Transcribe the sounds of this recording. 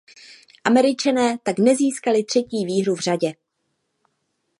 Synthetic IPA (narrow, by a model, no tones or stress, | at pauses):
ʔamɛɾɪt͡ʃanɛːt̪aknɛziːskalɪt̪r̝̥ɛciːviːɦɾuvr̝aɟɛ